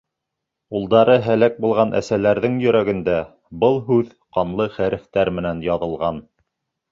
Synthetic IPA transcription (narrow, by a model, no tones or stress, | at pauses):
ulˠd̪ɑɾɤɦælæk̚bulˠʁɑnʔæ̰sælæɾðɘŋjɵ̆ɾæɡɘ̆nd̪æ | bɤlˠɦʉð | qɑnlˠɤχæɾɘ̆ft̪æɾmɘ̆nænjɑðɤ̆lˠʁɑn